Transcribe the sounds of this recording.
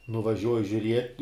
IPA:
nʊʋɐˈʒʲuɔjɪ ʒʲʊˈrʲiɛtʲ

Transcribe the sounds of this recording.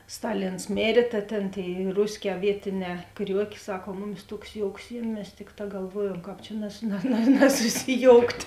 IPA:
ˈstɑːˌlʲɪns ˈmʲeːrʲeː tɐ ˈtʲeːn ˈtʲeːɪ ˈrʊsʲˌkʲɛː ˈʋʲiɛtʲɪˌnʲɛː ˈkrʲuɔkʲeː ˈsɐk oː ˈmʊˌmʲɪs ˈtuɔks ˈjoːʊks ˈjiɛmʲ mʲɛs ˈtʲɪkˌtɑː ɡɐlˠˈʋuɔjuɔm ˈkɑːp t͡ʃʲɛ nɐs nɐ nɐ nɐsʊsʲɪˈjoːʊktʲ

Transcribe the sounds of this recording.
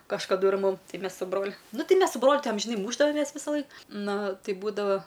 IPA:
kɐʃkɐˈdʊ ɪr ˈmʊm ˈtɐɪ ˈmʲɛs sʊ ˈbroːlʲʊ ˈnʊ ˈtʲɛɪ ˈmʲɛs sʊ ˈbroːlʲʊ ˈtɐɪ ɐmʲʒʲɪˈnɐɪ ˈmuːʒdɐʋoːmʲɛs ʋʲɪsɐˈlˠɐɪk ˈnʊ ˈtɐɪ ˈbuːdɐʋɐ

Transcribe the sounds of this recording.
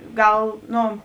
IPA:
ˈɡɐlˠ ˈnoː

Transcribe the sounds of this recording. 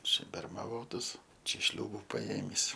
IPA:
ˈt͡ʃʲɛ bʲɛrmɐˈʋoːtɐs ˈt͡ʃʲɛ ˈʃʲlʲuːbʊ pɐˈeːmʲiːs

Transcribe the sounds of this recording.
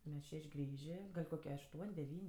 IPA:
ˈmʲɛs ˈʃʲɛʃʲ ˈɡrʲiːʒʲeː ˈɡɐlʲ koːˈkʲiɛ ɐʃˈtuɔnʲ dʲɛˈʋʲiːnʲ

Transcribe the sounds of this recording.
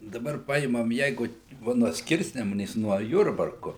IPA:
dɐˈbɐr ˈpɐɪmɐm ˈjɛɪɡʊ ˈʋɐ nuɔ ˈsʲkʲɪrʲsʲnʲɛmʊnʲeːs nuɔ ˈjʊrbɐrkʊ

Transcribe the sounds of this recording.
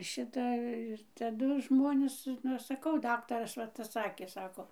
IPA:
ˈʃʲɪtɐ ɪr tɐˈdʊ ʒmoːˈnʲeːs nʊ ˈɐʃ sɐˈkɐʊ ˈdɑːktɐrɐs ʋɐ ˈtɐs ˈsɑːkʲeː ˈsɑːkoː

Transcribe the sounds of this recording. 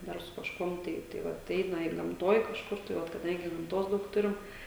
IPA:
ˈdɐr sʊ kɐʃˈkuɔm ˈtɐɪ tɐɪ ˈʋɐt ˈɛɪnɐ ɪr ɡɐmˈtoːj kɐʃˈkʊr tɐɪ ˈʋɐt kɐˈdɐŋʲɡʲɪ ɡɐmˈtoːs ˈdɐʊk ˈtʊrʲɪm

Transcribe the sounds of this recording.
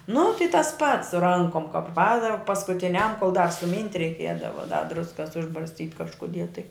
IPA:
nʊ tɐɪ tɐs pɐts sʊ ˈrɐŋkoːm kɐp ˈpɑːdɐw pɐskʊtʲɪˈnʲɛm koːlˠ dɐr sʊˈmʲiːnʲtʲ rʲɛɪˈkʲiɛdɐʋɐ dɐ ˈdrʊskɐs ʊʒbɐrʲsʲˈtʲiːtʲ kɐʃkʊˈdʲiɛ tɐɪ

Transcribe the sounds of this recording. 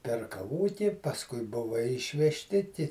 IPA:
pʲɛrkɐˈʋoːtʲɪ pɐsˈkʊɪ ˈbʊʋɐ ɪʃʲʋʲɛʃʲˈtʲɪ tʲɪ

